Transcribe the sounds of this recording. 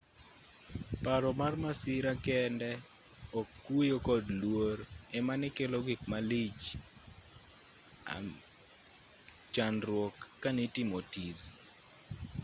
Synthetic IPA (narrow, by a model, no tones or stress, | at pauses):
paɾɔmarmasɪɾakɛndɛ | ɔkːujokɔdlwoɾɛmanɪkelɔɡɪkmalit͡ʃ | a̰ | t͡ʃanɾwɔkːanɪtɪmɔtiz